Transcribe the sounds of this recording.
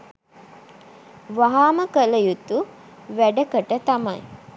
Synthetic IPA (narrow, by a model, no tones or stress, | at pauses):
ʋaɦaːməkələjut̪u | ʋæɖəkəʈət̪amɐ̰j